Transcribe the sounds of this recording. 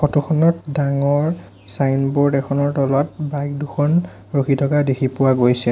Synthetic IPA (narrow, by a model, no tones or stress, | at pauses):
xɔtuxʰɔnɔtdaŋɔɹ | sajnbɔɹdɛxʰɔnɔɹtɔlɔt̚bajk̚duxʰɔn | ɹokʰitʰɔkadekʰipʊwaɡojsɛ